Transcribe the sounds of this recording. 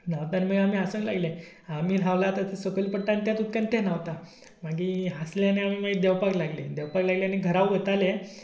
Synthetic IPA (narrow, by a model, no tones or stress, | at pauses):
naʋt̪animəɡam̤iːɦasəɳla̰ɡle | amiːl̤aʋlat̪at̪esəkəlipəʈːãnt̪jat̪ut̪̚kant̪enaʋt̪a | maɡiːɦasljaneamiːmaɡid̪ɛwpaklaɡled̪ɛʋpaklaɡleaneɡʱəɾaʋʋət̪ale